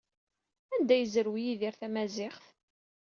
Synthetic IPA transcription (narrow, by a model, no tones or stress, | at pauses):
ænd̪æjəzəɾwijiðiɾθæmæzɪχθ